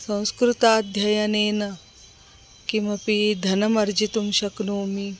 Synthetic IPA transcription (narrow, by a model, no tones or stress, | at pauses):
sɐ̃w̃skɾut̪aːd̪ʱjɐjɐneːnɐ | kimɐpid̪ʱɐnɐmɐɾd͡ʒit̪umʃɐknoːmi